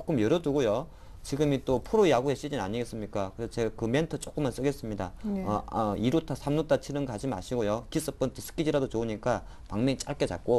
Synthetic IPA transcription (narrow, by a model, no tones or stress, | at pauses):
t͡ɕok͈ɯmjʌɾʌduɡojo | t͡ɕiɡɯmit͈opʰuɾojaɡuɦe̞ɕ͈id͡ʑina̰ɲiɡe̞s͈ɯmɲik͈akɯesʰʌt͡ɕe̞ɡakɯme̞ntʰɯt͡ɕ͈ok͈ɯmːans͈ɯɡe̞s͈ɯmɲida̰ʌʌiɾutʰasʰamnut͈ʰat͡ɕʰinɯnɡad͡ʑima̰ɕʰiɡojokis͈ɯp͈ɯntʰɯsʰɯ̥k͈id͡ʑiɾadot͡ɕouɲik͈a | paŋmeŋit͡ɕ͈aɭk͈e̞t͡ɕa̰k̚k͈o